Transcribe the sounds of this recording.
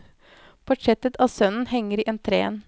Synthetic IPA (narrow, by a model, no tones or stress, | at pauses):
pʰʊʈʰɛt̪ət̪ʰɑːsœnn̩hɛŋːəɾiːʔɛnt̪ʰɾḛːn